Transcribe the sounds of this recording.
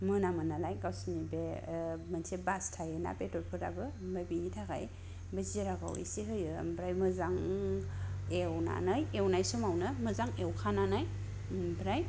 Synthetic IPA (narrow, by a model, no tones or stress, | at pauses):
mɯnamɯnalajɡawsnibemənsʰebastʰajɯna̰petɔt̚pʰɯɾabɯmabinitʰaɡa̰j | bɯziɾaɡa̰wḭsiɦɯjɯ̰mbɾajmɯzaŋ | ewna̰najewnajsomawnɯmɯzaŋewkʰananaj | mbɾaj